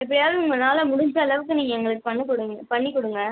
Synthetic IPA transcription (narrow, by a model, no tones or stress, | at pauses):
ɛp̬ːɐɽɪjaːðɯʊŋɡɐnaːlɐmʊɽʊɲd͡ʒɐːɭɐʋɯkːɯniːŋɡɐɛŋɡɐɭɯkːɯpɐnːɯkːɔɽɯŋɐpɐɳːikːɔɽɯŋɡɐ